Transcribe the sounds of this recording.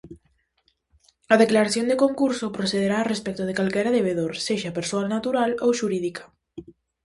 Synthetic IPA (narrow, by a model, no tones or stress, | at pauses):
aðeklaɾaθjond̪ekoŋkuɾsopɾoθeðeɾaːrespɛk̚t̪oð̞ekalkɛɾaðeβ̞eðoɾseʃapeɾsoalnat̪uɾalowʃuɾiðikḁ